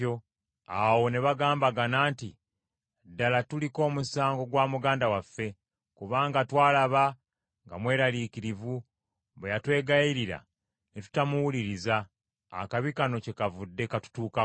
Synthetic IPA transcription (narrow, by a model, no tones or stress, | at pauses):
o | awo̞ne̞βaɡaːmbaɡanaːnti | dːalatuliko̞ːmusaːŋɡo̞ɡwaːmuɡaːndawafːe̞ | kuβaːŋɡatwaːlaβa | ŋɡamwe̞ːɾalikiɾivu | βejatwe̞ːɡaiɾiɾa̰ | netu̥tamuwuliɾiza̰ː | kaβikano̞ce̞kavudːe̞katu̥tuːka